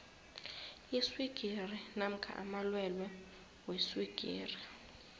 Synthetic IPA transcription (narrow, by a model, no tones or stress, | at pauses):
iswiɡ̥ʱirinam̩kʰa̰ʔa̰malwɛlwɛ | weswiɡ̥ʱḭːri